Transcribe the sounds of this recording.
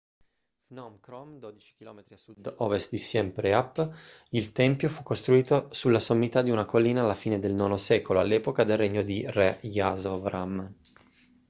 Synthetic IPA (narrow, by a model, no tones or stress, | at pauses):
fnɔmkɾɔmd̪od̪it͡ʃi̥k̟ilɔːmet̪ɾiasud̪ɔvest̪̚d̪isjɛmpɾeapː | ilt̪ɛmpjofukːost̪ɾuiːt̪osulːasomːit̪ad̪iunakolːiːnaːlːafiːned̪elnɔːnosɛːkoloalːɛːpokad̪elreɲːod̪irejazovɾam